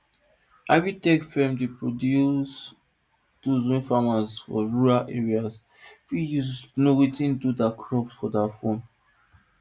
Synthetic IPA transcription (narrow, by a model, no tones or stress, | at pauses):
abitɛkfɛmdepɹodjus | duzĩnfamasfɔ̰ɹuɹalʔeɹias | fijuznowitĩndudakʰɹɔpsfɔdafõn